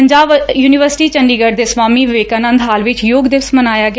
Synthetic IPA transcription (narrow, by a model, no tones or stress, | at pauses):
ɲd͡ʒaːʋjuːnɪʋəɾsɪ̥ʈiːt͡ʃəɳɖiːɡəɖd̪eːsʋaːmiːʋɪʋeːkaːnə̃nd̪ɦaːlʋɪt͡ʃjoːɡd̪ɪʋsmənaːjaːɡ